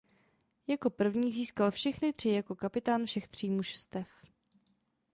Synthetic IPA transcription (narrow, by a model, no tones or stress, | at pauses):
jako̞pr̩vɲiːziːskalfʃɛxnɪt̪r̝̥ɪjako̞kapɪt̪aːnfʃɛxt̪r̝̥iːmuʃst̪ɛf